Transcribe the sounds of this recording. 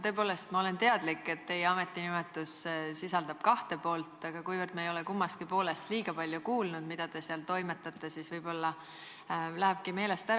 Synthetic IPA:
t̪ø̞ːpo̞ːle̞st̪mɑo̞le̞nt̪e̞ɑd̪̥likːe̞t̪ːe̞jeɑme̞t̪ːˑinimɛt̪ːˑussisɑld̪̥ɑb̥̚kɑht̪e̞po̞ːlt̪ːˑɑɡ̥ɑkujvərd̪̥mɑejo̞lekumːɑst̪̚kipo̞ːle̞st̪liːɡ̥ɑpɑlʲjukuːlnud̪̥mid̪̥ɑd̪e̞seɑlt̪o̞jme̞t̪ːˑɑt̪ːˑe̞siːsvɤjb̥o̞lːɑ | læɦeb̥̚kime̞ːle̞st̪æ

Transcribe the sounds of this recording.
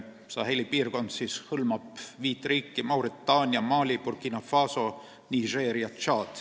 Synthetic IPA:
sɑ̰ːhelʲipiːrko̞nd̪sishɤlmɑpviːt̪ːˑriːkːimɑwɾit̪ːɑːnʲjɑmɑːlʲipurkinɑfɑːso̞ | niʒeːɾiɑt̪ʃɑːt̪

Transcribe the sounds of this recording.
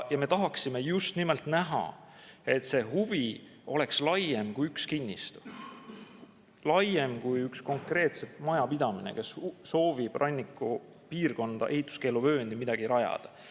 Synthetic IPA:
jɑme̞t̪ɑɦɑksime̞just̪nimelt̪næɦɑ̰ | e̞t̪se̞ɦuvi | o̞̰le̞kslɑjemkujykskinʲːist̪u̥ | lɑjːemkujyksko̞ŋkre̞ːt̪se̞t̪mɑjɑpid̪̥ɑminḛke̞sso̞ːvib̥rʔɑnʲːikːˑu | piːrko̞nd̪̥ɑ̰ʔe̞hit̪ːˑu̥ske̞ːluvø̞ːnd̪imid̪̥ɑɡ̥iɾɑjɑ̰d̪̥ɑ̥

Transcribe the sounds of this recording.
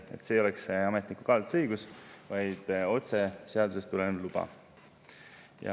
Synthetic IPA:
e̞̰t̪ːseːo̞leksɑme̞t̪ˑnikːukɑlt̪sɤjɡ̥usvɑjd̪̥o̞t̪se̞seɑd̪use̞st̪ulenlub̥ɑ̰ | jɑ̰

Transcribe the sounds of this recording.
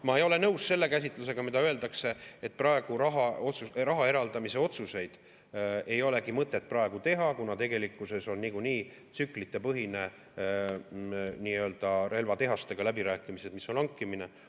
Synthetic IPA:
mɑejo̞le̞nɤwsse̞lːe̞kæs̬ʲit̪ˑluse̞ɡ̥ɑmid̪ɑøe̞ld̪ɑkse̞et̪̚prɑe̞ɡ̥uɾɑɦɑot̪surɑɦɑe̞ɾɑld̪ɑmise̞o̞t̪suse̞jd̪̥ | e̞jo̞le̞kimɤt̪ˑːe̞t̪̚ːˑprɑe̞ɡ̥ut̪e̞ɦɑkunɑt̪e̞ɡe̞likːˑuse̞so̞nːikuniː | t̪syklit̪ːˑe̞pɤɦine̞ | niːøːld̪̥ɑɾe̞lvɑt̪e̞ɦɑst̪e̞ɡ̥ɑlæbiɾæːkːˑimise̞d̪̥miso̞nɑŋkːˑimine̞

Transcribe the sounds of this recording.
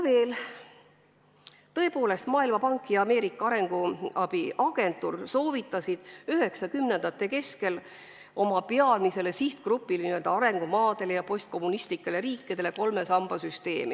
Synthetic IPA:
ve̞ːl | t̪ɤ̞e̞po̞ːle̞st̪mɑːilmɑpɑŋkːˑijɑɑme̞ːɾikːˑɑɑɾe̞ŋɡ̥uɑb̥iʔɑɡ̥e̞nt̪ːˑurso̞ːvit̪ˑːɑsid̪̥yɦe̞ksɑkymne̞nd̪̥ɑt̪ˑːe̞ke̞ske̞l | o̞mɑpeɑlmise̞le̞siht̪krupːˑilniø̞ld̪ɑɑɾe̞ŋɡ̥umɑːd̪̥e̞lejɑpo̞st̪̚ko̞mːunist̪likːele̞ɾiːkːid̪̥e̞le̞ko̞lme̞sɑmb̥ɑsyst̪e̞ːmi

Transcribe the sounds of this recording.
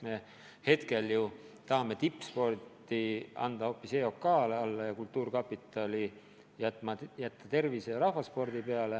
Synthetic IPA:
me̞ | he̞t̪ke̞lju | t̪ɑhɑme̞t̪ipːˑspo̞rt̪ːiɑ̰nd̪̥ɑo̞ːpːiseo̞kːɑːleɑlːɑjɑkult̪ːˑuːrkɑpːˑit̪ːˑɑli | jæt̪mɑjæt̪ːɑt̪e̞rviseɾɑhvɑspo̞rd̪̥ipe̞ɑle

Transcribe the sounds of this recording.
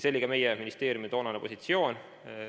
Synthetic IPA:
se̞lːiɡ̥ɑme̞jɛminist̪e̞ːɾjumit̪o̞ːnɑnepo̞sit̪sio̞ːn

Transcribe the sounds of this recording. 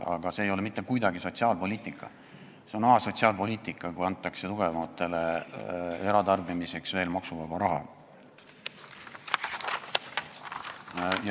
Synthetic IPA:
ɑ̰ɡ̥ɑse̞ːjo̞le̞mit̪ːˑekujd̪ɑɡiso̞t̪siɑːlpo̞liːt̪ˑikːˑɑ̰ | seo̞nɑɦɑso̞t̪ʲsiɑːlpo̞lʲiːt̪ˑikːˑɑkuɑnt̪ˑːɑkse̞t̪uɡ̥e̞vɑmɑt̪ːˑe̞le̞ | e̞ɾɑt̪ɑrbimise̞ksve̞ːlmɑksuvɑbɑɾɑɦɑ̰ | j

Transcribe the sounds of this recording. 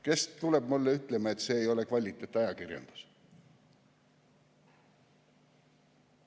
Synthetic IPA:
ke̞st̪ule̞bmulːeyt̪ˑle̞mɑe̞t̪ːˑse̞ːjo̞le̞kvɑlʲːit̪ːˑet̪ːˑɑjɑkirjɑ̰nd̪̥u̥s

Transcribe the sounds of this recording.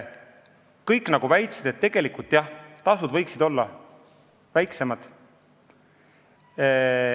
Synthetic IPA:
kɤjkːˑnɑɡ̥uvæjt̪sid̪̥e̞t̪ːe̞ɡ̥e̞likult̪ːˑjɑht̪ɑsud̪̥vɤjksid̪o̞lːɑ | væjkse̞mɑd̪̥

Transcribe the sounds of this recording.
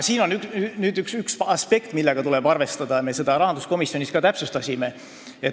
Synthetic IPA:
siːno̞nykynyːd̪yksyksɑspe̞kt̪milːeɡ̥ɑt̪ulɛ̞b̥ɑrve̞st̪ɑd̪̥ɑme̞se̞d̪̥ɑɾɑɦɑnd̪̥usko̞misjoniskɑt̪æpsest̪ɑsʲime̞ | et

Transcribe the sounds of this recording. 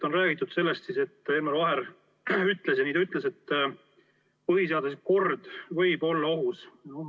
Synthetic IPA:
t̪o̞nræːɡ̥it̪ːˑud̪̥se̞lːest̪sise̞t̪ːˑeːmɑɾvɑɦe̞ɾ | yt̪le̞sjɑniːd̪̥yt̪ːˑlese̞t̪ː | pɯɦiseɑd̪usko̞rd̪̥vɤjb̥o̞lːɑo̞ɦus

